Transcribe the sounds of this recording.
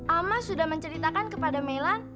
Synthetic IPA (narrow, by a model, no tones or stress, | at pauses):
ʔamasudahməɲt͡ʃəɾit̪akankəpadamelan